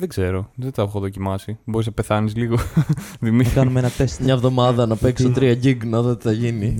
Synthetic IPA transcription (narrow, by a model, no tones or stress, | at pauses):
ðeɡze̞ɾo̞ðet̪ɐexoðo̞cimɐsibo̞ɾiznɐpe̞θɐnizliɣoðimiɐkɐnumeenɐt̪est̪mɲɐevðo̞mɐðɐnɐpe̞ksot̪ɾiɐɟiɡnɐðoot̪i̥θɐʝini